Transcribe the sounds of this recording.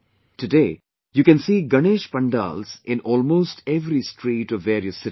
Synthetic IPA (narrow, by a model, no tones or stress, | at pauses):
ʈɨdeː | jukɛ̃nsiːɡɐneːʃpɐ̃ɳɖa̰ːlz̥ɪ̃nɔːlmoːsʈʰɛʋɾisʈʰɾiːʈɔʋːeːɾiəsːɪ